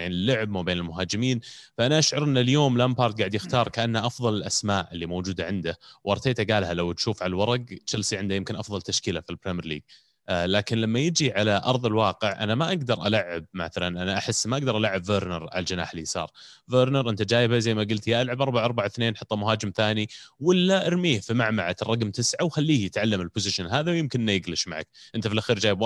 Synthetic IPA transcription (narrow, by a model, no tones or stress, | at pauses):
aʕnɪlːʊʕb̚mabeːnɪlmʊɦaːd͡ʒɪmiːnfaʔanaʔaʃʕʊɾˤʔɪnːɪljoːmlampɑːɾˤt̪̚ɡaʕɪd̪jɪxt̪ɑːɾˤkaʔanːaʔɑfðˤɑlɪlʔasmaːʔɪlːimoːd͡ʒuːd̪aʕɪnd̪awʔɑɾˤt̪eːt̪aɡaːlhalawt̪ʃuːfʕalalwɑɾˤɑɡʃalsˤiʕɪnd̪ajɪmkɪnʔɑfðˤɑlt̪aʃkɪlafilbɾimjɾlḭːɡ̚ | laːkɪnlamːajɪd͡ʒiʕalaʔɑ̰ɾˤðˤɪlwɑːqɪʕʔa̰namaʔaɡd̪ɑɾˤʔalaʕːab̚maθalanʔanaʔaħɪsːmaʔaɡd̪ɑɾˤʔalaʕːabveːɾnɑɾˤʕa̰ld͡ʒɪna̰ːħɪlisˤɑ̰ːɾˤ | veːɾnɑɾˤʔɪnt̪ad͡ʒaːjɪbazajːmaɡʊlt̪jaʔalʕabʔɑɾˤbaʕɑɾˤbaʕθneːnħɑt̪ˤːɑmʊɦaːd͡ʒɪmθaːniwɪlːaʔɪɾmiːhfimaʕmaʕat̪rˤːɑɡmt̪ɪsʕawxalːiːhjɪt̪ʕalːamɪlpʊzɪʃanɦaːðawjɪmkɪnʔɪnːajɪɡlɪʃmaʕa̰k̚ʔɪnt̪afɪlʔaxiːɾd͡ʒaːjɪb